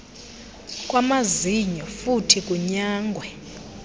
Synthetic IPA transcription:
kʼwamaziɲɔfutʰikʼuɲaːŋɡʱwɛ

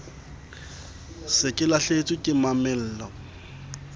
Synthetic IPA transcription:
sɪkʼɪlaɬet͡sʼikʼɪmamɪl̩ːlɔ

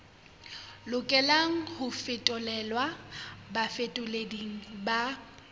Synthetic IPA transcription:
lʊkʼɛlaŋ̩hʊfɪtʼʊlɛlwabafetʼʊlediŋ̩ba

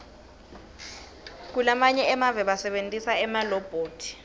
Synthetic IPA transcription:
k̬ulamaɲɛɛmavɛɓasɛɓentʼisaɛmalɔb̥ʱoːtʰi̥

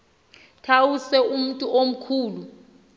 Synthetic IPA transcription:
tʰawusɛum̩tʼuʔom̩kʰuːlu

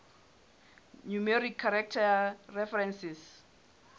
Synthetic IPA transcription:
numeɾikʰːaɾak̚tʰarɛfɛɾɛnsis

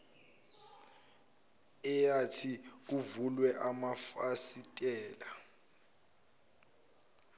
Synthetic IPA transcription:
ɛjatʰik̬uvulwɛʔamafasitʼɛːla

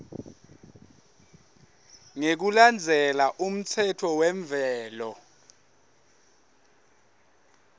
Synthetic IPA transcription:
ŋek̬uland͡zʱɛlaʔum̩t͡sʰɛtʰɔwɛɱvʱɛːlɔ

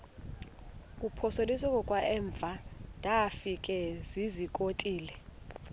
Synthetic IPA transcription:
k̬ʼupʰɔsolisɔkʼɔkʼwaʔɛːɱb̪vʱad̥ʱafikʼɛzizikʼotʼiːlɛ

